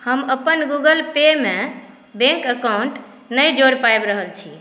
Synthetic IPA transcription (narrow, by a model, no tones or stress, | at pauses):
həməpənɡuɡəlpeme | bẽŋkəkawɳʈ | nəjd͡ʒoɾpaebɾəɦəlt͡ʃʰi